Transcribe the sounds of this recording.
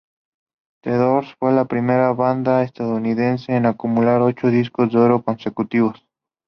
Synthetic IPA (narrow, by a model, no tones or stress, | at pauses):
t̪eðoɾsfwelapɾimeɾaβand̪aest̪aðouniðenseːnakumulaɾot͡ʃoðiskozd̪eoɾokonsekut̪iβos